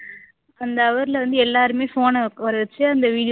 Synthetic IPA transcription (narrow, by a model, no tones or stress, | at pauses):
ɐnd̪ɐːʋɐɾɪlɐʋɐnd̪ɯɛlːaːɾɯmeːfoːnɐkːʋɐɾɯɯt͡ʃːɯɐnd̪ɐʋiːɽɪj